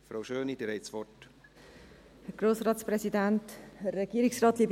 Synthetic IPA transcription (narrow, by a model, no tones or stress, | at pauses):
fɾowʃøːnid̥̪əɾɛɪt̪sʋɔt | hɛɾɡ̥ɾoːsrɑːtspɾɛsid̪ænthɛrːɛɡiəɾɪksrɑːt̪liːb